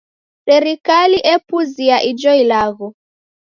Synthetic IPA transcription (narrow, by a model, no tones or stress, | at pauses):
sɛɾikaliʔɛpuziaʔid͡ʒɔilaɣɔ